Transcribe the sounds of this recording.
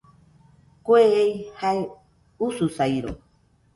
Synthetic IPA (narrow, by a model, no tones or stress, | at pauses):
kʷeejhae | ususajɾo̰